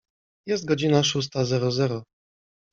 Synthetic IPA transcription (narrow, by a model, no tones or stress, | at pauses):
jɛst̪̚ɡɔd͡ʑinaʂus̬t̪azɛɾɔzɛɾɔ